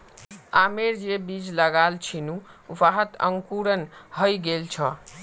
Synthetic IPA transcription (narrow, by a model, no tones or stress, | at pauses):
ameɾd͡ʒebid͡ʒləɡalt͡ʃʰinuʋaɦət̪ə̰ŋkuɾənɦəjɡelt͡ʃʰə